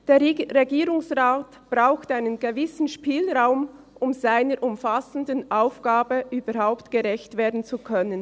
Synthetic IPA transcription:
d̥eːʁeɡiːʁʊŋsʁaːt | b̥ʁaʊxtaɪnənɡəvɪsn̩ʃpiːlʁaʊm | ʔʊmzaɪnəɾʔʊmfasən̩dənʔaʊfɡ̥aːbəʔyːbəɾɦaʊptɡ̥əʁɛçtveːɐdn̩t͡sukʰœnən

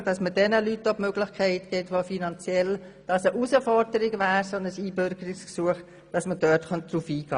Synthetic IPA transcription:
d̥ɑsməd̥ɛnəlytːobmøɡlɪχkʰɛɪtɡ̥ɛtʋofinɑnt͡sjɛl | d̥ɑsəʔusəfɔɾdəɾɪɡʋæːɾsonəsiːbøɾɡ̥əɾɪksksuəχ | d̥ɑsməd̥œtχœnt̚d̥ɾufiːɡ̥ɑː

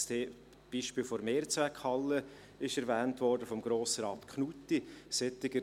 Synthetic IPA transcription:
stʰeː | b̥iːʃpiːlfɔɾmeːɾt͡svækhɑlːə | ɪʃɛɾvɛːntvɔrdəfɔmɡ̥ɾoːsəɾɑːt̪kʰnutːisɛtɪɡə

